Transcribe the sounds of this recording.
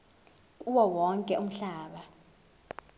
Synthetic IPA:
uwɔwɔŋkʼɛʔum̩ɬaːɓa

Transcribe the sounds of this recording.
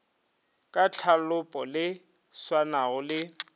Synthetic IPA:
kʼat͡ɬʰalʊpʼɔlɪ | swanaɣʊlɪ

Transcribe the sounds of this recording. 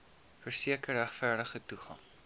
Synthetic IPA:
fərsiəkəræχfærdəχətuχɑ̰ŋ

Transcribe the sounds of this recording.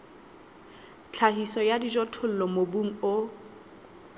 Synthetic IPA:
t͡ɬʰaɦisɔjadid͡ʒɔtʰʊl̩lɔmobuŋ̩o

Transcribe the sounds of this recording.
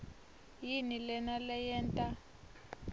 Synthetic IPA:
jinilɛnalɛjɛːntʼa

